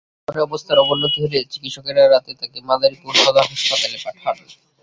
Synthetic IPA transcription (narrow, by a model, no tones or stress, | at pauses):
oɾeɔbost̪ʰaɾɔbolːod̪ʱɦeɾet͡ɕikitʃokeɾaɾat̪et̪akemad̪aɾikuɾbalaɦaʃpat̪alepaʈʰan